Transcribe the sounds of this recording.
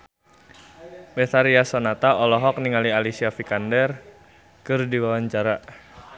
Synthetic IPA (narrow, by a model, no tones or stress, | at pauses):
beθaɾiasɔnat̪aɔlɔɦɔk̚niŋalialisiafikandɛr | kɨrdiwawaɲt͡ʃaɾa